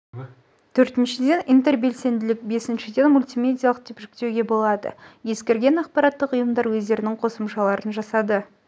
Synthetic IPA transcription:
t̪ʰɵɾt̪ɪnʃɪd̪e̞nijnt̪e̞rbe̞lse̞nd̪ɪlɪk̚be̞sɪnʃɪd̪e̞nmulʲt̪imʲe̞d̪ʲijalˠəqt̪ʰepʒɪk̚ʲt̪e̞wɡʲe̞bo̞lˠɑd̪ə̰je̞skʲeɾɡʲe̞nɑqpɑɾɑt̪ːəqʊjəmd̪ɑɾwɵzd̪e̞ɾɪnɪŋqʰo̞səmʃɑlˠɑɾənʒɑsɑd̪ə

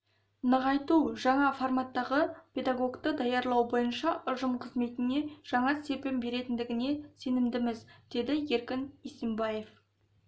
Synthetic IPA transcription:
nəʁɑjt̪uʒɑɴɑformat̪ːɑʁəpʲʰe̞d̪aɡo̞kt̪əd̪ɑjɑɾlˠɑwbo̞jənʃɑʔʊʒəmqʰəzme̞t̪ɪne̞ʒ̥ɑɴɑse̞pembe̞ɾe̞t̪ɪnd̪ɪɡʲɪne̞se̞nɪmd̪ɪmɪzd̪̥e̞d̪ɪje̞ɾkʲɪnisembɑje̞f

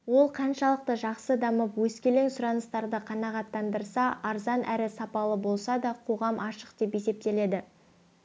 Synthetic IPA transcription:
wo̞lˠqʰɑnʃɑlˠəq̚t̪əʒɑqsəd̪ɑməpwɵskʲele̞ŋsʊɾɑnəst̪ɑɾd̪əqʰɑnɑʁɑt̪ːɑnd̪əɾsɑʔɑɾzɑnʔæɾɪsɑpɑlˠəbo̞lˠsɑd̪ɑqʰo̞ʁɑmʔɑʃə̥qd̪e̞pje̞se̞p̚t̪e̞le̞d̪ɪ

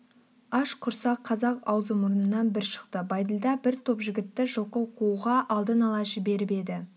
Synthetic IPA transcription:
ɑʃqʰʊɾsɑqʰːɑzɑqɑwzəmʊɾnənɑnbɪɾʃə̥qt̪əbɑjd̪əlˠd̪ɑbɪɾt̪ʰo̞pʒɪɡʲɪt̪ːɪʒəlˠqəwqʰuuʁɑʔɑlˠd̪ənɑlˠɑʒɪbe̞ɾɪpe̞d̪ɪ

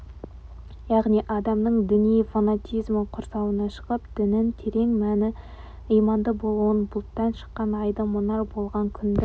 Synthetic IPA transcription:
jɑʁnijʔɑd̪ɑmnəɴd̪ɪnijfanat̪ʲijzməqʰʊɾsɑwənɑʃə̥ʁəpd̪̥ɪnɪnt̪ʰeɾe̞ŋmænɪ | ijmɑnd̪əbo̞lˠuənbʊlˠt̪ːɑnʃə̥qːɑnɑjd̪ɑmʊnɑrbo̞lˠʁɑŋkʲʰʏnd̪ɪ

